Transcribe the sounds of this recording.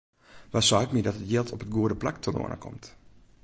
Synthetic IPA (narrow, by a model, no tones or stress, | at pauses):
ʋasɔːkmidɔtətjɪlˠtʰɔpət̚ɡuədəplak̚tʰəno̰ənʔə̰kʰɔ̰mt